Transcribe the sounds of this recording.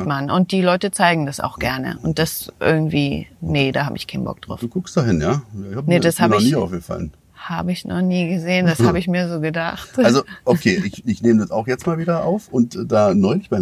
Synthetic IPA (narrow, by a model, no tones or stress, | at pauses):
manʊnt̚d̥iːlɔʏtət͡saɪɡŋ̩d̥asa̰ʊxɡ̥ɛɐnə̰ʔʊnt̚d̥asʔɪ̰ɐɡŋ̩tv̥iːnədaːhaːbəɪçkʰaɪnbɔ̰k̚d̥ʁa̰ʊfd̥uːkʰʊkstd̥aːɦɪnjaːɪhaːbnədashaːbnəɔniːaʊfɡ̥əfa̰lən | haːbəɪçnɔ̰χniːɡəzeːənd̥ashaːbəɪçmiːɐzoːɡədaχtalzoʔokʰeːʔɪçɪçneːmədasaʊxjɛt͡stmaːlviːdɐʔa̰ʊfʊntːdaːnɔʏlɪçma